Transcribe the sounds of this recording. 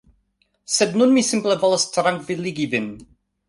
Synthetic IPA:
sɛdnunmisɪmblˠəvɔlˠəstʰəɾaŋkvɪlˠɪɡivɪn

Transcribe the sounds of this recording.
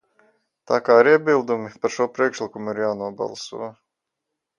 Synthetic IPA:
t̪aːkaːɾiɛbilˠd̪umipaɾʃuɔpɾiɛkʃlʲˠikumuiɾjaːnuɔba̰lˠsṵɔ

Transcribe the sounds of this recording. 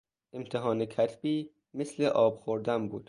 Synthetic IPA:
ʔe̞mt̪ʰeɦɒːnekʰæt̪ʰb̥iː | mesle̞ʔɒːb̥xoɾd̪æmbuːd̪̥

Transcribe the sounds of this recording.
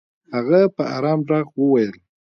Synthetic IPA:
haɣapəa̰ɾɑmɾɑɣwəwajəl

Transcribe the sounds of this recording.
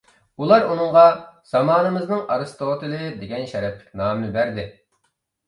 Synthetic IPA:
ulˠɑɾunɨɴʁɑz̥ɑmɑːnɨmɨznɨŋʔɑɾɨst̪oːt̪ɨlɨd̪eɡʲɛnʃɛɾɛpʰːɪ̥kʲnɑːmnɪbæɾd̪ɪ

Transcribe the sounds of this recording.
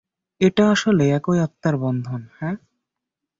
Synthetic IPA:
eʈaaʃoleɛkojat̪ːaɾbɔnd̪ʱonhɛ

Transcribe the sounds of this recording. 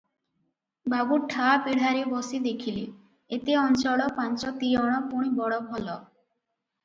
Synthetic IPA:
baɡuʈʰːapiɽ̤aɾibɔsid̪ekʰili | et̪eɔnt͡ʃɔɽɔpant͡ɕɔt̪iɔɽ̃ɔpuɽ̃ibɔɽɔbʱɔlɔ

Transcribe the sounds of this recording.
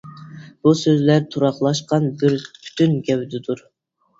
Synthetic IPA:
b̥usøzlæɾt̪ʰuɾɑχlˠɑʃqɑnbɪɾpʰy̥t̪ʰynɡʲɛwd̪ɪd̪uɾ

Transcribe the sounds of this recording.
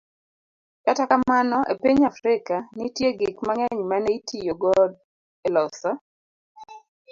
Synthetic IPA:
katakamanɔʔḛpiɲafɾɪkanitjeɡikmaŋɛɲmanɛitijoɡɔd | elɔsa

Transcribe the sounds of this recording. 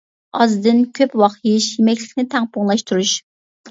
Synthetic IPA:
ɑzd̪ɨnkʲʰøpwɑχjiʃjemɛkʲlʲɪ̥kʲnɪt̪ʰæŋpʰoŋlˠɑʃt̪ʰuɾuʃ

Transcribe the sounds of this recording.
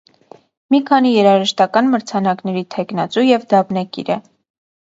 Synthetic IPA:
mikʰɑnijɛɾɑʒəʃt̪ɑkɑnməɾt͡sʰɑnɑknɛɾit̪ʰɛknɑt͡sujɛvd̪ɑbnɑkḭɾə

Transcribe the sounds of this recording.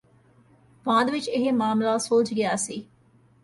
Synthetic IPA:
pãːd̪ʋɪt͡ʃɪɦmaːmlaːsoːt͡ʃɡɪjaːsiː

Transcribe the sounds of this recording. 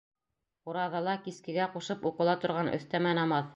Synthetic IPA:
uɾɑðɑlˠɑkiskɘ̆ɡæquʃɤpuqɤ̆lˠɑt̪ŏɾʁɑnʔɵ̰̆θt̪æmænɑmɑθ

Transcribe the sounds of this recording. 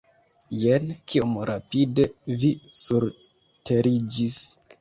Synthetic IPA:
jenkiomɾapide̞visuɾ | tʰe̞ɾid͡ʒis

